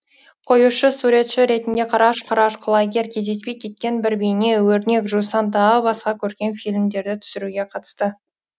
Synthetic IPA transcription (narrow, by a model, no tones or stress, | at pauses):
qʰo̞juʃəsuɾe̞t̪ʃɪɾe̞t̪ɪnd̪e̞qʰɑɾɑʃqʰɑɾɑʃqʰʊlˠɑɡʲe̞ɾkʲʰe̞zd̪e̞spe̞jkʲʰe̞t̪̚kʲe̞nbɪɾbejne̞wɵɾne̞kʒusɑnt̪ɑʁəbɑsqɑkʲʰɵɾkʲe̞nfilʲmd̪e̞ɾd̪ɪt̪ʰʏ̥sɪɾuɡʲe̞qʰɑt̪ə̥st̪ə